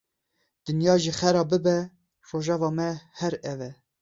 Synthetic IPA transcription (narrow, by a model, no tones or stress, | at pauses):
d̪̥ɨnjɑːʒiːxɛɾɑːbɨbɛ | roːʒɑːvɑːmɛhɛɾɛvɛ